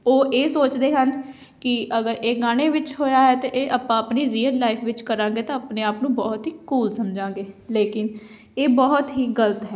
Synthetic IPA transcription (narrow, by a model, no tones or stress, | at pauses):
oːʔeːsoːt͡ʃd̪eːɦən | kɪʔəɡəɾeːɡaːñeːʋɪt͡ʃɦoːjaːɦɛːt̪eʔeːʔaːpãːəpniːɾiːəlːaːɪfʰʋɪt͡ʃkəɾãːŋɡeːt̪ãːapneːaːpnũːbɔːt̪ɦiːkuːlsəmd͡ʒãːŋɡeːleːkɪn | eːbɔːt̪ɦiːɡələt̪ɦɛː